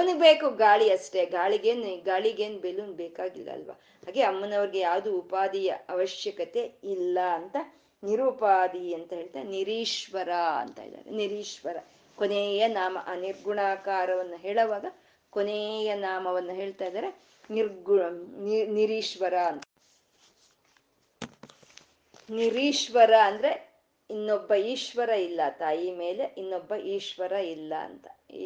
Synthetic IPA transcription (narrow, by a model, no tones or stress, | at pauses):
ɐɐnuɡbeːkuɡaːɭiɐʂʈe̞ɡaːɭiɡeːnuɡaːɭiɡeːnubelunbeːkaːɡilːɐ̰ɐ̰lʋa̰ | ɦaːɡe̞ɐmːɐnɐʋɐɾiɡejaːʋd̪uːpaːd̪ijɐɐʋɐʃjɐkɐt̪e̞ilːɐːnt̪ɐ | niɾupaːd̪iɐnt̪ɐɦe̞ːɭt̪aːɾeniɾiːʂʋɐɾaɐ̰nt̪a̰ːjd̪a̰ːɾḛniɾiːʂʋɐɾɐ | konejɐnaːmɐ̰ʔaːniɾɡuɳaːkaːɾɐʋɐnːuɦeːɭɐʋaːɡɐ | koneːjɐnaːmɐʋɐnːuɦe̞ːɭt̪aːjd̪aːɾe | niɾɡu | niɾiːʃʋɐɾaɐnt̪ɐ | niɾiːʂʋɐɾɐːnd̪ɐɾe | inːobːɐiːʃʋɐɾɐilːɐt̪aːjimeːleʔinːobːɐʔiːʃʋɐɾɐilːɐɐ̰nt̪ɐ̥